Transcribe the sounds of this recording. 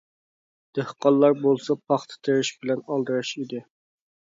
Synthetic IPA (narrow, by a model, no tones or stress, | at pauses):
d̪̥æhqɑlˠːɑɾbolˠsɑpʰɑχt̪ʰə̥t̪ʰeɾɪʃbɪlɛnɑlˠd̪ɨɾɨʃid̪ɪ